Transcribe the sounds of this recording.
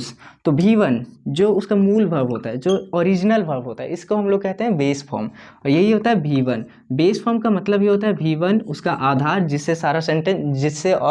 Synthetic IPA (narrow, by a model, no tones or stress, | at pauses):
st̪obʱiːʋənd͡ʒoːʊskamuːlʋɐɾʋɦoːt̪aɦɛd͡ʒoːɔːɾiːd͡ʒnəlʋɐɾʋɦoːt̪aɦɛ̰ɪskoɦɐmloːɡ̚kɛɦt̪eɦɛ̃beːsfʰɔ̰ːɾm | ɔːɾjɐɦiɦoːt̪aɦɛbʱiːʋən | beːsfʰɔːɾmkamɐt̪ləbʱɦiɦoːt̪aɦɛbʱiːʋənʊskaʔaːd̪ʱaːɾd͡ʒɪsːesaːɾasẽɳʈɛ̃nsd͡ʒɪsːeʔɔː